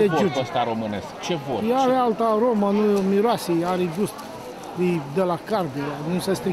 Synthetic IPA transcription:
ed͡ʒuəst̪aɾomɨnḛskt͡ʃevoavaalt̪aɾomənumiɾoasiaɾiɡust̪ | ɾijd̪elakard̪eɾanusəst̪ɾi

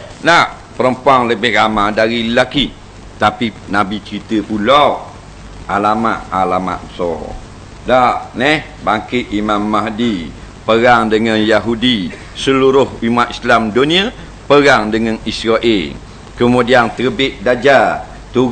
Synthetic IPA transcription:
naʔ | pəɾəmpuaŋləbɪhramadaɾilaki | t̪apinabit͡ʃəɾit̪əpulaw | ʔalamaʔalama̰ʔbəsɔ̰ | daʔnɛh | baŋkɪt̪ʔimamːaɦdi | pəɾaŋdəŋanjaɦudi | səluɾʊhumaʔ̪islamdunia | pəɾaŋdəŋanisɾaʔɪl | kəmudiant̪əɾəbɪʔ̪̚dad͡ʒa | t̪u

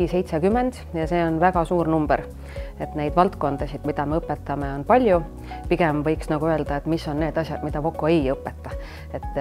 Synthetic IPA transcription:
ise̞jt̪sekymːend̪̥jɑse̞ːo̞nvæɡ̥ɑsuːrnumb̥eɾ | e̞t̪ne̞jd̪̥vɑlt̪ko̞nd̪ɑsid̪̥mid̪̥ɑme̞ɤpːet̪ːɑme̞o̞npɑlʲju | piɡ̥emvɤjksnɑɡ̥uø̞eld̪̥ɑet̪ːmisːo̞nne̞ːd̪ɑsʲjɑd̪̥mid̪̥ɑvo̞kːoejɤpːet̪ˑːɑ | e̞t̪ːˑ

